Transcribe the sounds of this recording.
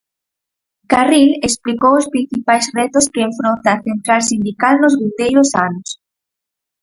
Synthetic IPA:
karilesplikowospɾin̟θipajzrɛt̪ʊskɪːɱfɾont̪aːθent̪ɾalsind̪ikalnʊzβind̪ejɾʊsanʊs

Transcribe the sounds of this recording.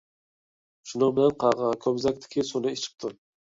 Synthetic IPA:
ʃʊnɪŋbɪlanqʰɑʁɑkʲʰɒbzak̚ʲt̪ʰɪ̥kʲʰɪsonɪɪt͡ʃʰɪ̥q̚t̪ʰɪm

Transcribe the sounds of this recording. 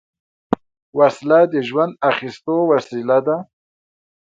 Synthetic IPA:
waslad̪əʒwand̪̚axist̪owasilad̪a

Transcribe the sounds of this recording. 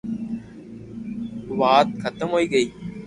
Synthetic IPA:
ʋaːt̪̚xʰət̪əmɦoːiːɡəiː

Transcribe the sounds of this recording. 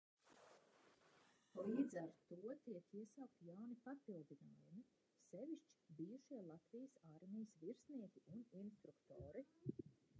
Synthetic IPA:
liːd̪zæɾt̪uɔt̪iɛkiɛsaːk̚t̪ijawnipapilˠd̪ina̰ːjumi | seviʃt͡ʃi̥bijuʃiɛlˠat̪vijəsaɾmʲijəsviɾsniɛkʲiʔuninst̪ɾukt̪oːɾi

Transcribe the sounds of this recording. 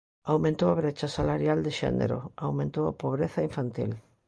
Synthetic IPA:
awmẽnt̪owaβɾet͡ʃasalaɾjald̪ɪʃɛ̰nḛɾo̰awmẽnt̪owa̰poβɾeθɐiɱfant̪ḭl

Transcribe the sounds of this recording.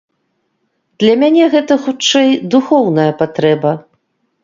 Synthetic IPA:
d̪̥lʲɐmʲanʲɛɣɛt̪ɐxut͡ʂɛjd̪uxɔwnɐjɐpat̪ɾɛbɐ

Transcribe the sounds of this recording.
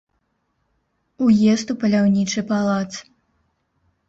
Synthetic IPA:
ujɛst̪upɐlʲawnʲit͡ʂɨpalˠat̪s

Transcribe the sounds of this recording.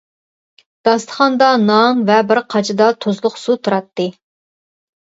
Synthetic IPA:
d̪̥ɑst̪ʰə̥χɑnd̪ɑnɑŋvɛbɪɾqʰɑt͡ʃʰɪd̪ɑt̪ʰozlˠʊqsut̪ʰuɾɑt̪ːɨ

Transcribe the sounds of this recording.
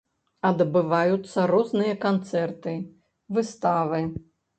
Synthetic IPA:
ɐd̪bɨvajut̪sːɐɾɔznɨjɐkant̪sɛrt̪ɨ | vɨst̪avɨ

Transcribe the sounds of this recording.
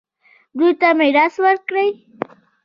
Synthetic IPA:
ɾʊjt̪amajɾaswaɾkɾaj

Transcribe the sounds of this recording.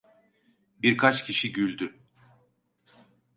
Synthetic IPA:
biɾkʰat͡ʃcʰiʃiɟylʲd̪y

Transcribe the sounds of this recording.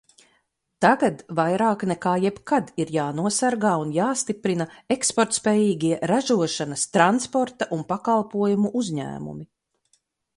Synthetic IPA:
t̪aɡad̪vajɾaːknɛkaːjɛbkad̪iɾjaːnuɔsaɾɡaːunjaːst̪ipɾinaekspɔɾt̪spɛːjiːɡʲiɛɾaʒuɔʃanɐst̪ɾanspɔɾt̪aʔunpakalˠpuɔjumuʔuzʲɲæ̰ːmṵmi

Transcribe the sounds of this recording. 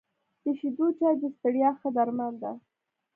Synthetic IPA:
d̪̥əʃid̪ut͡ʃɑjd̪əst̪əɽjɑxəd̪aɾmand̪a

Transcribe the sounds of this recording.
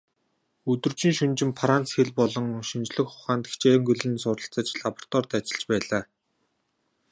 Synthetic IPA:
ɵt̪ɵ̆rt͡ɕĭŋʃɵnt͡ɕɪ̆mpʰaɾant͡sxeɮpɔɮɞ̆ŋʃɵnt͡ɕɮɘ̆xχʊχaːnt̪e̥kt͡ɕeːŋɡɵɮɘ̆nsʊːɾə̆ɬt͡sə̆t͡ɕɮapɔr̥t̪ɔrt̪at͡ɕɪ̆ɮt͡ɕpæːɮaː

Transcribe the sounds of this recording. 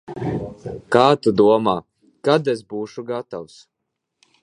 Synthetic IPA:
kaːt̪ud̪uɔmaː | kad̪esbuːʃuɡat̪aws

